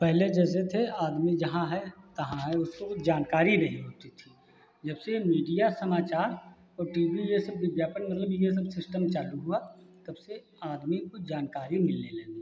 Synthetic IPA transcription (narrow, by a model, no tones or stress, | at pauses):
pɛɦled͡ʒɛːs̬et̪ʰeaːd̪mid͡ʒɐɦãɦɛt̪ɐɦãɦɛʊskod͡ʒaːnkaːɾiɾɐɦiɦoːt̪it̪ʰi | d͡ʒɐbsemiːɖijasɐmaːt͡ʃaːɾ | ɔːɾʈiːbijesɐb̚d̪ɪbjaːpənmɐt̪ləbjesɐbsɪsʈəmt͡ʃaːlukɦuat̪ɐbse | aːd̪mikod͡ʒaːnkaːɾimɪlnelẽːni